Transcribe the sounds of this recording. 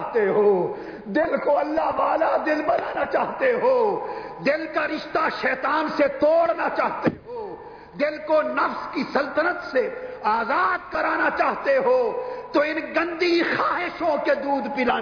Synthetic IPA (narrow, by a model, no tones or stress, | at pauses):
ɦt̪eɦoː | d̪ɪlkoɐlːaɦʋaːlad̪ɪlbɐnaːnat͡ʃaːɦt̪eɦoːd̪ɪlkaɾɪʃt̪aʃɛːt̪aːnset̪oːɽnat͡ʃaːɦt̪eɦoː | d̪ɪlkonɐfskisɐlt̪ənət̪seaːzaːd̪̚kɐɾaːnat͡ʃaːɦt̪eɦoːt̪oɪnɡɐ̃nd̪ixaːɦɪʃõked̪uːd̪pɪlaː